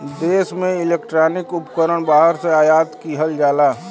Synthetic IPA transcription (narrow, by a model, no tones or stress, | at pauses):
d̪eːsmẽɪleːkʈɾaːnɪkʊpkəɾəɳ̃baːɦəɾseaːjaːt̪kiɦəld͡ʒaːlaː